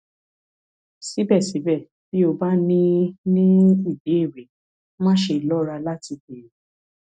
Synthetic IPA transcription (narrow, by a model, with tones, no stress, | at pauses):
si˨˦bɛ˦˨si˨˦bɛ˦˨ | b̥i˦o˧ba˦nĩ˦nĩ˦i˦˨de˨˦i˦˨ɾe˨˦ | mãː˦ʃe˧i˨lɔ˦ɾa˧la˦ti˧ke˨ɾe˨